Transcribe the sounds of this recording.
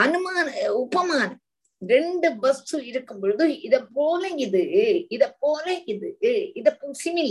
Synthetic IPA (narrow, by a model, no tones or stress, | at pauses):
ɐnɯmaːnɐʊpɐmaːnɐm | ɾɛɳɖɯbɐst̪uɪɾɯkːɯmboɻɯðɯɪðɐpːoːlɐɪðɯɪðɐpːoːlɐɪðɯɪðɐpːosinilː